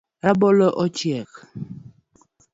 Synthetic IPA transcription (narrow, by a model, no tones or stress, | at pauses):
ɾabɔlɔʔɔt͡ʃjɛk